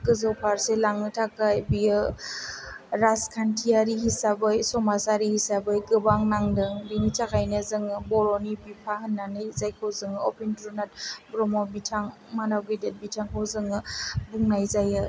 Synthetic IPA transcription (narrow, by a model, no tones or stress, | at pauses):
kɯzawpʰaɾselaŋɯtʰakajbijɯ | ɾaskʰantʰijaɾiɦisabɯjsɔmasaɾihisabɯjɡɯbaŋnaŋdɯŋbiŋit͡ʃakʰajnɯzɯŋɯbɔɾɔnibipʰaɦɯnːanɯjzajkʰɔwzɯŋɯɔpʰintɾunat̚bɾɔmɔbitʰaŋ | manawɡedet̚bitʰaŋkʰawzɯŋɯbuŋnajzajɯ